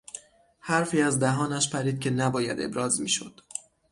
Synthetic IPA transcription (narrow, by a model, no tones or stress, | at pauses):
hæɾfiːæzd̪æɦɒːnæʃpʰæɾiːd̪̥̚cʰʲe̞næbɒːjæ̰d̪e̞̰bɾɒːzmiːʃo̰d̪̥